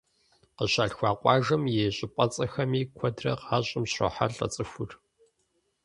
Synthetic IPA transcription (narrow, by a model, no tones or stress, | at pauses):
qəɕaːɬxʷɑːqʷʼɑːʒɐmjeːɕʼɪpʷʼɐt͡sʼɐxɐmiːkʷʰɔdrɐ̰qaːɕʼɪmɕo̰ħa̰ɮʼɐ̰t͡sʼɨxʷʊr